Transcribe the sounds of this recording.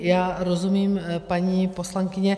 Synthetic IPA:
jaːɾo̞zumiːmpaɲiːpo̞slaŋkɪɲɛ

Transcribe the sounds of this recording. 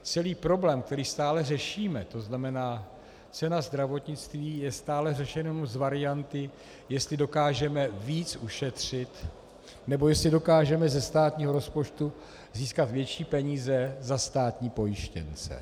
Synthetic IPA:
t͡sɛliːpɾo̞blɛːmk̚t̪ɛɾiːst̪aːlɛrɛʃiːmɛt̪o̞znamɛnaː | t͡sɛnazd̪ɾavo̞t̪ɲɪt͡st̪viːjɛst̪aːlɛrɛʃɛnomzvaɾɪjant̪ɪ | jɛst̪lɪdo̞kaːʒɛmɛviːt͡suʃɛt̪r̝̥ɪt̪ | nɛbo̞jɛst̪lɪdo̞kaːʒɛmɛzɛst̪aːt̪ɲiːɦo̞ɾo̞spo̞t͡ʃt̪u | ziːskat̪vjɛt͡ʃiːpɛɲiːzɛzast̪aːt̪ɲiːpo̞jɪʃcɛ̰nt͡sɛ̰

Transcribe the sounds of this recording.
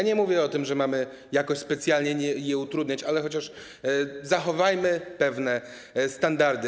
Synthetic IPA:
aɲɛmuvʲjɛɔt̪ɘmʐɛmamɘ | jakɔɕspɛt̪sʲjalɲɛɛjɛut̪ɾud̪ɲat͡ɕalɛxɔt͡ɕaʂ | zaxɔvajmɘpɛvnɛ | st̪and̪aɾd̪ɘ

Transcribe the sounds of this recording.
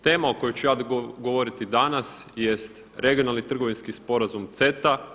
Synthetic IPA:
t̪e̞ːmaoko̞jot͡ɕujaːd̪ɡo̞ʋo̞ɾit̪id̪anasjest̪ | ɾe̞ɡijo̞nalˠnit̪r̩ɡo̞ʋinskispo̞ɾazumt̪se̞t̪a

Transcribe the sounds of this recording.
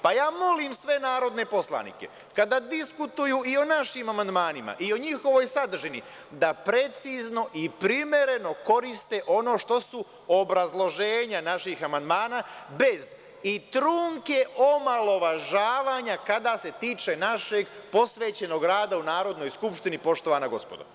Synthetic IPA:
pajaːmo̞limsʋe̞naːɾo̞d̪ne̞po̞slˠa̰nḭke̞̰ | kad̪ad̪iskut̪ujuio̞naʃimamand̪maːnima̰ʔio̞ɲixo̞ʋo̞jsad̪r̩ʒini | d̪apɾe̞t̪siːzno̞ʔipɾimje̞ɾe̞no̞ko̞ɾist̪e̞ʔo̞no̞ːʃt̪o̞su | obɾazlˠo̞ʒe̞ːɲanaʃixamand̪maːnaːbe̞z | it̪ɾuŋke̞omalˠo̞ʋaʒaːʋaːɲakad̪ase̞t̪iːt͡ʃe̞naʃe̞ɡpo̞sʋe̞ːt͡ɕe̞no̞ɡɾaːd̪aunaːɾo̞d̪no̞jskupʃt̪inipo̞ʃt̪o̞ʋaːnaɡo̞spod̪o̰

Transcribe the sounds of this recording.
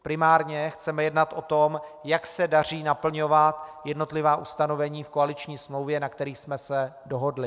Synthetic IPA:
pɾɪmaːɾɲɛxt͡sɛmɛjɛdnat̪ʔo̞t̪o̞mjaksɛdar̝iːnapl̩ɲo̞vat̪jɛdno̞t̪lɪvaːʔust̪ano̞vɛɲiːfkoalɪt͡ʃɲiːsmlowvjɛnakt̪ɛɾiːxsmɛsɛdoɦo̞dlɪ

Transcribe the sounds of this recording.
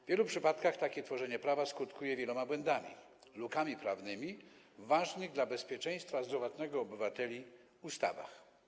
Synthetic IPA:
vvʲjɛlupʂɘpat̪kaxt̪akʲɛt̪fɔʐɛɲɛpɾavaskut̪kujɛvʲjɛlɔmabwɛnd̪amʲḭ | lukamʲipɾavnɘmʲi | vaʐnɘɣd̪labɛspʲjɛt͡ʂɛj̃st̪fazd̪ɾɔvat̪nɛɡɔːbɘvat̪ɛlʲi | ust̪a̰va̰x

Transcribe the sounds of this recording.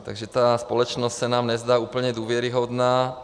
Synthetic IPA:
t̪a̰ɡʒɛt̪aːspɔlɔt͡ʃnɔscsanaːmɲɛzd̪aːuːpl̩ɲɛd̪ʋɔʋɪɛɾiɦɔd̪naː

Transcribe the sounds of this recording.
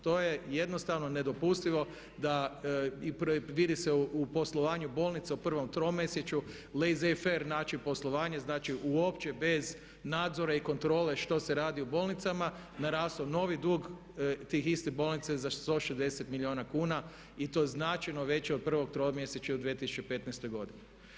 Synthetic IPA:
t̪o̞je̞je̞d̪no̞st̪aʋno̞ne̞d̪o̞pust̪iʋo̞ | d̪aipʋid̪iseupo̞slˠoʋaːɲubo̞ːlˠnit̪seupr̩ʋo̞mt̪ɾomːeset͡ɕu | lezefeɾnaːt͡ʃipo̞slˠoʋaːɲeznaːt͡ʃiʔuo̞pt͡ɕebe̞z | naːd̪zoɾaiko̞nt̪ɾo̞ːle̞ʃt̪o̞seɾaːd̪iubo̞ːlˠnit̪sama | naɾaːst̪ono̞ʋid̪uːɡ | t̪ixist̪ebo̞lˠnit̪sezat̪o̞ʃezd̪e̞set̪milʲio̞ːnakuːna | it̪o̞jeznat͡ʃejnoʋe̞t͡ɕeod̪̚pr̩ʋo̞ɡ̚t̪ɾomjeset͡ɕaud̪ʋijet̪isu̥t͡ʃepe̞t̪najst̪o̞jɡo̞d̪ini

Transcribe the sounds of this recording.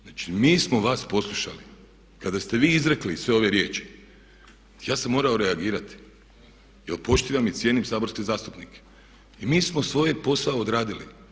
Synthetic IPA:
at͡ʃimiːsmo̞ʋaːspo̞slˠuʃa̰li | kad̪ast̪e̞ʋiːizɾeklisʋe̞o̞ʋe̞ɾje̞ːt͡ʃi̥ | jaːsamːo̞ːɾao̞ɾeaɡiːɾat̪i̥ | jelpo̞ʃt̪iːʋamit̪sʲje̞nimsaːbo̞ɾskezaːst̪upnike̥ | imiːsmosʋo̞ːjepo̞saod̪ɾaːd̪ilḭ

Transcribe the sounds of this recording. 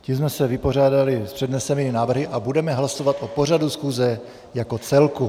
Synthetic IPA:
cimzmɛsɛvɪpo̞r̝aːdalɪspr̥ɛdnɛsɛniːmɪnaːvr̩ɦɪʔabudɛmɛɦlaso̞vat̪ʔopo̞r̝adusxuːzɛ | jako̞t͡sɛlku

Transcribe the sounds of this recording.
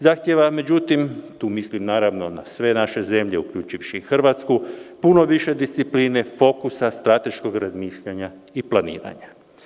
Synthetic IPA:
zaxt̪jeʋame̞d͡ʑut̪imt̪uːmislimnaːɾaʋno̞na̰sʋe̞naʃe̞ze̞mʎe̞ukʎuːt͡ʃiʋʃixr̩ʋat̪skupuno̞ʋiʃe̞d̪ist̪sipliːne̞fo̞kusast̪ɾat̪e̞ʃko̞ɡɾazmiːʃʎaɲaiplanḭːɾa̰ɲa

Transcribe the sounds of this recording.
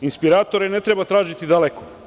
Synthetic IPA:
inspiɾaːt̪o̞ɾene̞t̪ɾebat̪ɾaːʒit̪id̪aleko

